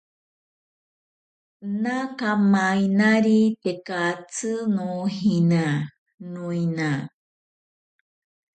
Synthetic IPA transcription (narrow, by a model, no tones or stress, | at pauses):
nakamainaɾit̪ekat͡sɨnuhina | nũina